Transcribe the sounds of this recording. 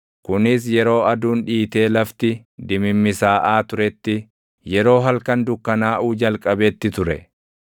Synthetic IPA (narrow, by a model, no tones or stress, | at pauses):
kʊnɪs̬jɛɾo̞ːɐd̪uːnᶑiːt̪e̞ːlɐft̪ɪ | d̪ɪmɪmːɪsaːʔaːt̪ʊɾɛt̪ːɪ | jɛɾo̞ːɦɐlkɐnd̪ʊkːɐnaːʔuːd͡ʒɐlkʼɐbɛːt̪ːɪt̪ʊɾɛ̰